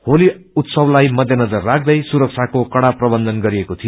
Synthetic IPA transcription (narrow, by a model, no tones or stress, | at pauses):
holi | ut̪sʌblajmʌd̪ʱjʌnʌd͡zʌrːakʰd̪ʌjsuɾʌk̚t͡sʰakokʌɽaprʌbʌnd̪ʱʌnɡʌɾiekot̪ʰijo